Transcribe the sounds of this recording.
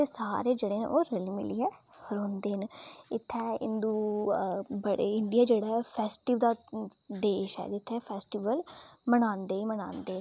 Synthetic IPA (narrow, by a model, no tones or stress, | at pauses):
t̪esaːɾeːd͡ʒeːɽeːn̰oːɾəlimɪ̰liɛhəɾõːnd̪eːnɪt̪ʰːɛɪ̰nd̪uː | bəɽḛɪnɖ̪ijaːd͡ʒeːɽaːɛpʰɛːsʈiʋd̪aːd̪eːʃɛ̰ːd͡ʒɪt̪ʰːɛpʰɛːsʈiʋəlmənãːnd̪eːimənã̰ːnd̪eː